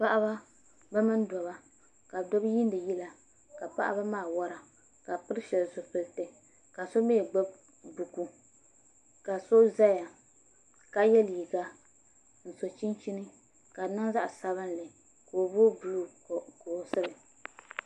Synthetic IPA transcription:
pa˦ʔa˦ba˦ | bɛ˦mɨ˦n˦dɔ˨βa˦ | ka˨do˦bji˦n˦dɨ˨ji˦la˨ | ka˨pa̰˦ʔa̰˦ba˦maː˦˨wɔ˦ɾa˨ | ka˨pɨ˦ɾɨ˦ʃɛ˨lzʊ˨pɨ˨ltɨ˨ | ka˨so˦meː˦˨ɡ͡bɛ˦b̚ | bu˨ku˦ | ka˨so˦za˦ja˨ | ka˦jɛ˦li˨ɡa˦ | n̩˨so˨t͡ʃi˦nt͡ʃi˦nɨ˦ | ka˨na˦ŋza˦ʔsa˦βɨ˦n˦lɨ˨ | koː˨boː˦bu˨lu˦˨koː˨sɨ˦bɨ˨

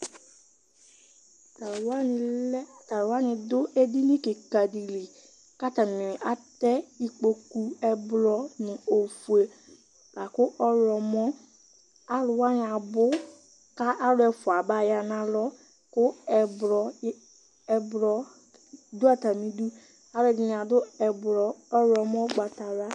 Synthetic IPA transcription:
ta˨ɾʊ˨wa˦nɪ̃˨lɛ˦a˨ta˨ɾʊ˨wa˦nɪ̃˨dʊ˦e˦di˦nĩ˦ke˨ka˨di˨li˨ | ka˦ta˨mĩ˨nɪ˨ʔa˨tɛ˦i˦k͡po˨ku˦ɛ˦blɔ˦nɪ̃˨o˨fu˨e˨ | la˨kʊ˦ʔɔ˦lɔ˨mɔ̃˦ | a˦lʊ˨wa˦nɪ˨a˨bʊ˦ | ka˦ʔa˦ɾʊ˦ɛ˨fʊ˨a˨ba˨ja˨nã˨lɔ˦ | kʊ˦ɛ˨bɾɔ˨˦ | ɛ˨bɾɔ˨ | du˦a˨ta˨mĩ˨du˦ | a˦ɾʊ˦ɛ˨dɪ˦ñ˨a˨dʊ˦ɛ˨bɾɔ˨ɔ˦ɾɔ˨mɔ̃˦ɡ͡ba˨ta˨ɾa˦

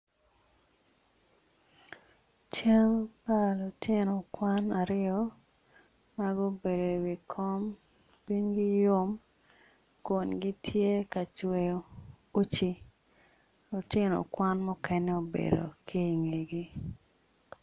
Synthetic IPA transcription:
t͡ʃɛ˦lpa˦lʊ˨tʰɪ˦no˨kwa˦na˨ɾɪjɔ˦ | ma˦ɡo˦be˨do˨wi˨kʰɔ˦m | pi˦ŋɡi˦jʊ˦m | kʊ˨nɡi˦tʰje˦ka˨t͡ʃwe˨jo˦ | u˦t͡ʃi˨ | lʊ˨tɪ˦no̰˨kwa˦nmʊ˦kɛ˦nɛ˦o˨bḛ˨do̰˨kʰi˦˨ŋi˨ɡi˦

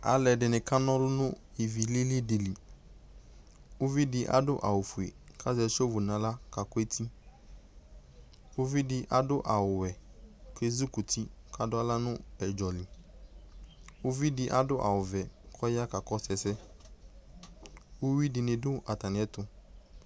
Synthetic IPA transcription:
a̰˨lɛ˨dɪ˨nɪ̃˨ka˦nɔ̃˦lʊ˦nʊ̃˦i˨vi˨li˦li˦dɪ˨li˨ | ʊ˦vi˦dɪ˦ʔa̰˦dʊ˦ʔa˨wʊ˨fu˨e˨ | kʰa˦zɛ˨so˦vʊ˨nã˨la˦ka˨kɔ˦e˦tʰi˦ | ʊ˦vi˦dɪ˦ʔa˨dʊ˦ʔa˨wʊ˨wɛ˨ke˦zu˦kʊ˨tʰi˦ka˨dʊ˦a˦la˦nʊ̃˦ɛ˨d͡ʒɔ˨lɪ˨ | ʊ˦vi˦dɪ˦ʔa˦dʊ˦ʔa̰˨wʊ˨vɛ˨kʰɔ˦ja˦ka˨kɔ˦sɛ˨sɛ˦ | ʊ˦wi˦dɪ˨nɪ̃˨dʊ˦a˨ta˨nɪ̃˨ɛ˦t̪ʊ˦

